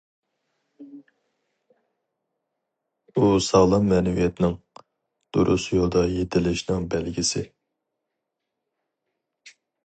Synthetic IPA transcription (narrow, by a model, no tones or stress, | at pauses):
usɑʁlˠɑmːɛːnɛvijɛt̪ʰɪnɪŋ | d̪̥oɾʔṵsjolˠd̪ɑjet̪ʰɪlɪʃnɪŋbælɡʲisɪ